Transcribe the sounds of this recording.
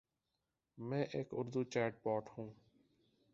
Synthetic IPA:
mɛ̃ːʔeːkʊɾd̪uːt͡ʃɛːʈ̚paːʈhũː

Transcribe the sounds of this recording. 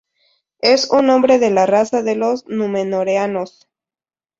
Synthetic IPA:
esunõ̞mbɾe̞ðe̞larasaðe̞lo̞znumenoɾeanos

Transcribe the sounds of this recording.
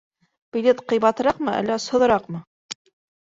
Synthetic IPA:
pilʲet̪qɤ̆jβɑt̪ɤ̆ɾɑqmɤʔæ̰lːæoshŏðɤ̆ɾɑqmɤ

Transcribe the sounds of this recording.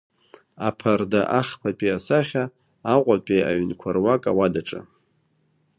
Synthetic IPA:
apʰardaʔaχpʰapʼiasaχʲa | aqʷʼapʼea̰ɥnkʷʰarwakʼawadaʈ͡ʂʼa̰

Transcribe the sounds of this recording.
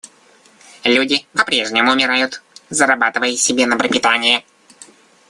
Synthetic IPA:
lʲudʲɪpɐpɾʲe̞ʐnʲɪmʊʊmʲɪɾajʊt̪zəɾɐbat̪ɨvəjɪsʲɪbʲenəpɾəpʲɪt̪anʲɪjɪ

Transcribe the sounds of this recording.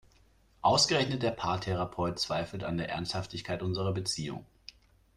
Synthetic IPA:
ʔaʊsɡ̥əʁɛçnət̚d̥eːɐpʰaːɐtʰeʁ̞apʰɔʏt̚t͡sv̥aɪfl̩ta̰ndeːɐʔɛ̰ɐnsthaftɪçkʰaɪtʔʊnzəʁɐbət͡siːʊ̰ŋ

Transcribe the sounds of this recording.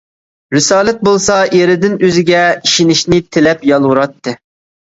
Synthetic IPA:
ɾɪsɑːlˠɛt̪̚bolˠsɑjeɾɪd̪ɪnøzɪɡʲɛiʃinɪʃnɪt̪ʰɪlɛpjɑlˠʁuɾɑt̪ːɨ

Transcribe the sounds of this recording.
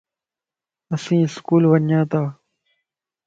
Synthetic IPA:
əsĩːɪskuːlʋənjãːt̪aː

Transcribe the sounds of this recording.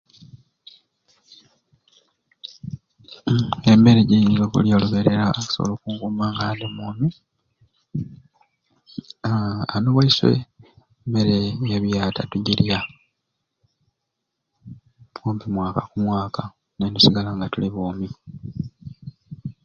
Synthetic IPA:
emeɾeɟiŋɡoβṵljoluβeɾeɾaku̥soβo̰lokuːŋɡumaːŋɡaːndemuːmi | anoβwaiswḛ | meɾejeβjaːtatuɟiɾja | poːmpimwaːkakumwaːka | nendusiɡalaŋɡatuliβoːmi

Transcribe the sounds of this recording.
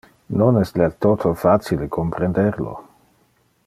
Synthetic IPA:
nonɛslat̪ot̪ʰofat͡siləkʰompɾend̪ɛʁlo̰

